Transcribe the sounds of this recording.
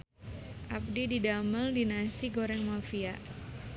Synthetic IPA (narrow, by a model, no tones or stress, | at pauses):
ʔap̚dididamaldinasiɡoɾɛŋmafia